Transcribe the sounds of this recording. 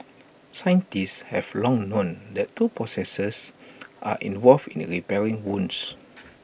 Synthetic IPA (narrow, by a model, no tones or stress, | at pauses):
sãjə̃ntisshɛvlɔ̃ŋnõndɛttːupɹɔsɛsəsʔa̰ʔḭ̃nvɔlfḭ̃nɹipɛɹĩŋwũns